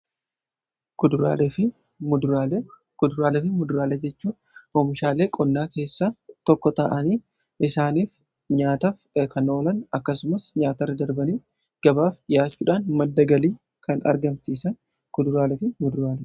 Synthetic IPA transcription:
kʊd̪ɾa̰ːlɛfɪ | mʊ | kʊd̪ʊɾaːlɛfɪmʊd̪ʊɾaːlɛd͡ʒɛt͡ʃːuːn | oːmɪʃaːleːkʼɔnːaːke̞ːsːat̪ɔkːɔt̪a̰ːʔɐniː | ʔɪsaːniːf | ɲaːt̪ɐfkʰɐno̞ːlɐnɐkːɐsʊmɐsɲaːt̪ɐrɐd̪ɐɾbɐniː | ɡ̥ɐbaːfᶑɪjaːt͡ʃːuːᶑaːnmɐd̪ːɐɡɐliː | kɐnɐ̰ɾɡɐmt̪iːsɐn | kʊd̪ʊɾaːlɛfɪmʊd̪ʊɾaːlɛ

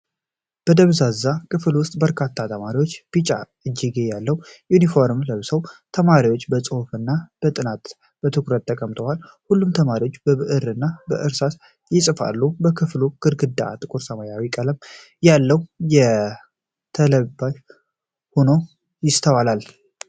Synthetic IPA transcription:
b̥əd̪əβzazːakʰɨflwʊst̪ʼbəɾkʰat̪ʰːat̪ʰəmaɾiwo̞t͡ʃːb̥it͡ʃʼa̰ʔɨd͡ʒːiɡejalːəwjunifo̞ɾmləβsəwt̪ʰəmaɾiwo̞t͡ʃːbət͡sʼɨhfɨnːab̥ət̪ʼɨnat̪ | b̥ət̪ʰɨkɾət̪ʰːəkʼəmt̪ʰəwal | hulːumt̪ʰəmaɾiwo̞t͡ʃːbəβɨʔɨɾɨnːabə̰ʔɨɾsas | jɪsʼɨfa̰lːubəkʰɨfluɡ̥ɨɾɡɨd̪aa̰t̪ʼɨkʼuɾsəmajawikʼələm | jalːəwjɛ | t̪ʰələbaj | hono̞ | jɪst̪ʰəwalal

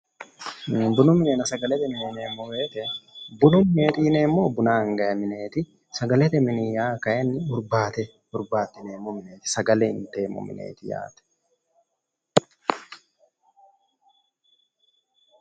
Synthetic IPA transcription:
bʊnʊmɪnɛnɐsɐɡɐlɛt̪ɛmɪnineːmːɔweːt̪ɛbʊnʊmɪneːt̪iːneːmːoːbʊnaːɐŋɡɐjɐmɪne̞ːt̪ɪ | sɐɡɐlɛt̪ɛmɪnɪjaːkɐjɛnːɪbʊɾbaːt̪ɛ | hʊɾbaːt̪ːɪneːmːɔmɪneːt̪ɪ̥sɐɡɐlɛɪnt̪eːmɔ̰mɪ̰nʔḛːt̪ɪja̰ːt̪ɛ̥

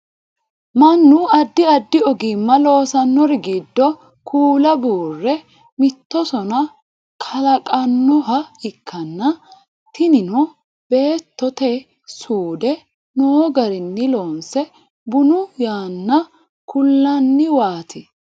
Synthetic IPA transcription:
mɐnːʊɐd̪ːɪɐd̪ːɪɔɡɪmːɐlo̞ːsɐnːɔɾɪɡɪd̪ːɔ | kʰuːlɐbuːrːɛ | mɪt̪ːɔsɔnɐ | kʰɐlɐkʼɐnːɔɦɐɪkʰːɐnːɐ | t̪ɪnɪnɔ | b̥e̞ːt̪ːɔt̪ɛ | suːd̪ɛ | noːɡɐɾɪnːɪloːnsɛ | bʊnʊjaːnːɐ | kʰʊlːɐnːɪwaːt̪ʰɪ

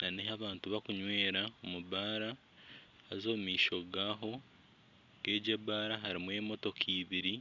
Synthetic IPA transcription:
naneɦaβaːntuβakuɲwe̞ːɾaomuβaːɾa | hazo̞ːmumiːʃo̞ɡaːɦo̞ | ɡ̥e̞ːɟebaːɾaɦaɾimwe̞ːmo̞to̞kʰiːβiɾi

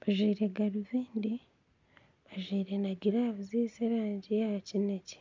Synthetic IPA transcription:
βaʒwiːɾeɡaɾiviːndi | βaʒwiːɾenaɡiɾaβuziseɾaːɲɟijacineci̥

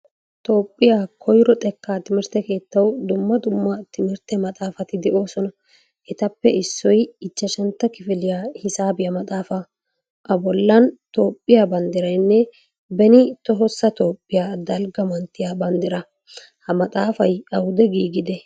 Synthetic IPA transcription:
t̪o̞ːpʼːɪjaːkʰɔjɾɔt̪ʼɛkːaːt̪ɪmɪɾt̪ɛke̞ːt̪ːɐwd̪ʊmːɐd̪ʊmːɐt̪ɪmɪɾt̪ɛmɐt̪ʼaːfɐt̪ɪd̪ɛʔo̞ːsɔnɐ | ʔɛt̪ɐpːɛɪsːɔjɪt͡ʃːɐʃɛnt̪ːɐkɪfɪlɪjaːhɪsaːbɪjɐmɐt̪ʼaːfɐ | ʔɐbɔlːɐnt̪o̞ːpʼːɪjaːbɐnd̪ɪɾɐjnːɛ | bɛnɪt̪ɔɦɔsːɐt̪o̞ːpʼːɪjaːd̪ɐlɡɐmɐnt̪ːɪjabɐnd̪ɪɾɐ | hɐmɐt̪ʼaːfɐjɐwʊd̪ɛɡiːɡɪd̪ɛ

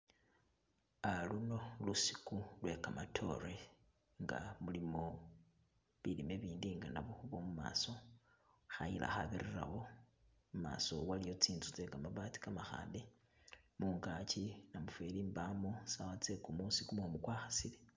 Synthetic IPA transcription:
aluno̞lusi̥kulwe̞kamatʰo̞̰re | ŋɡa̰mulimo̞ | βilime̞βiːndiŋɡanaβoxuβomuma̰ːso̞ | xajilʔa̰xaβirira̰ho̞ | muma̰ːso̞̰walijo̞t͡siːnt͡sut͡sekamaβaːti̥kamaxa̰ːnde̞ | muːŋɡaːt͡ʃinamufweliːmbamosawat͡sekumusikumomukwaːxḁsile

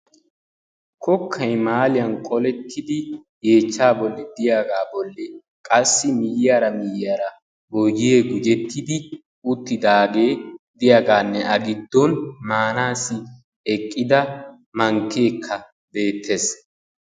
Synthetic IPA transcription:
kʰɔkʰːɐjmaːlɪjɐnkʼɔlɛt̪ʰːɪd̪ɪ | je̞ːt͡ʃːaːbɔlːɛd̪ɪjaːɡaːbɔlːɛ | kʼɐsːɪmɪjjaːɾɐmɪjaːɾɐ | boɡɪjeːɡʊd͡ʒɛt̪ʰːɪd̪ɪ | ʊt̪ːɪd̪aːɡeːd̪ɪjaːɡaːnːɛʔɐɡɪd̪ːɔnmaːnaːsɪ | ɛkʼːɪd̪ɐ | mɐŋkːe̞ːkʰːɐ | be̞ːt̪ʰːe̞s

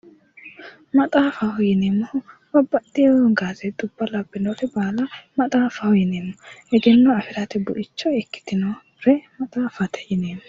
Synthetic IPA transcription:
mɐt̪ʼaːfɐwjɪneːmɔbɐbːɐt̪ːɪjɔɡaːzɛd̪ʊbːɐlɐbːɪnoɾɛbaːlɐmɐt̪ʼaːfɐwjɪneːmːɔɛɡɛnːɔɐfɪɾɐt̪ɛbʊʔɪt͡ʃːɔɛkːɪ̥d̪ɪno | ɾɛmɐt̪ʼaːfɐt̪ʰɛ̥jɪneːmːɔ

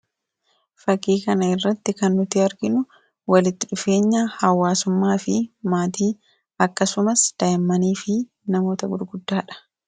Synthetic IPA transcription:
fɐkːiːkɐnɐɪrːɐt̪ːɪkɐnːʊt̪ɪɐɾɡɪnʊ | wɐlɪt̪ːɪᶑʊfe̞ːɲːaːhɐwːaːsʊmːaːfɪmaːt̪iː | ɐkːɐsʊmɐsd̪̥ɐɪmːɐniːfɪ | nɐmo̞ːt̪ɐɡʊɾɡʊd̪ːaːᶑɐ̥

